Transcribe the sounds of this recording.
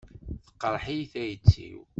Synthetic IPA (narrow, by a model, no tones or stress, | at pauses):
θə̥qːəɾˤħijθæjət͡sːḭw